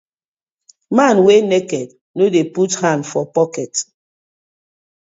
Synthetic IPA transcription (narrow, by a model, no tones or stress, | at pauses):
manwenekɛd̚ | nodeputhãndfɔpɔkɛt